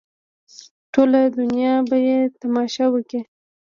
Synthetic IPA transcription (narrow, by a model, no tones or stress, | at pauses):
ʈolad̪ʊnjɑbajet̪amɑʃɑwəki